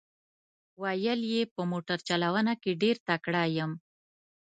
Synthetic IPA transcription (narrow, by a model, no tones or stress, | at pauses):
wajəljepəmoʈaɾt͡ʃalawənakeɖeɾt̪akɽajəm